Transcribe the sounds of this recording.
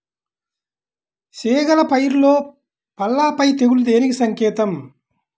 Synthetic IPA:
siːɡɐlɐpɐjɾlo̞ː | pɐlːaːpɐjt̪eɡulud̪eːnikisɐŋkɛːt̪ɐm

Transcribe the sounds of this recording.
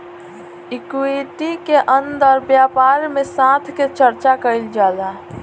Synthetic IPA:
ikueʈikeʔənd̪əɾbjaːpaɾmesãt̪ʰket͡ʃəɾt͡ʃakəɪld͡ʒaːd̪a

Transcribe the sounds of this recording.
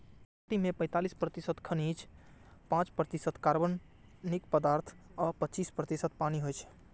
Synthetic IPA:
paʈimepə̃ɪ̃t̪alispɾət̪isət̪kʰənit͡ʃʰpãt͡ʃpɾət̪isət̪kaɾbən | nikpəd̪aɾt̪ʰɔpətːt͡ʃispɾət̪isət̪̚paniɦojt͡ʃʰɛ̥

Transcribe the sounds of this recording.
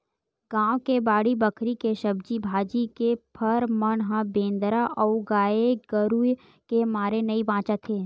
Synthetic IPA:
ɡãːwkebaːɽibɐkʰɾikeʃɐbd͡ʒibʱaːd͡ʒikepʰɐɾmɐnɦãbẽːnd̪ɾaʔɔɡaːeɡəɾuj | kemaːɾenɐibãːt͡ʃat̪ʰeː

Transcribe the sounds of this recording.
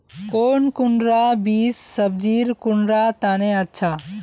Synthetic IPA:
koːnkʊɳɾabiːsːəbd͡ʒiːɾkʊɳɾat̪aːneətːʃʰa

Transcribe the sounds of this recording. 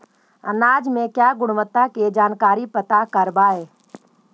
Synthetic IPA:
ə̰naːd͡ʒmẽkjaːɡʊɽ̃ʊmət̪aked͡ʒaːnkaːɾipət̪akɐɾbaɦɛː

